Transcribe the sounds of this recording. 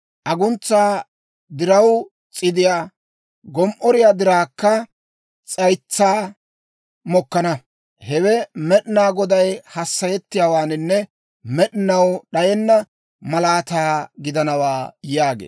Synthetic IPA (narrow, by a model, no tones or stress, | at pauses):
ʔɐɡʊnt͡sːaː | d̪ɪɾɐw | t͡sʼɪd̪ɪjaː | ɡɔmʔɔɾɪjaːd̪ɪɾaːkːɐ | t͡sʼɐjt͡sːaː | mɔkːɐnɐ | hɛwɛmɛɗɪnaːɡɔd̪ɐjhɐsːɐjɛt̪ːɪjaːwaːnɪnːɛ | mɛɗɪnɐwɗɐjɛnːɐ | mɐlaːt̪aːɡɪd̪ɐnɐwaːjaːɡḛː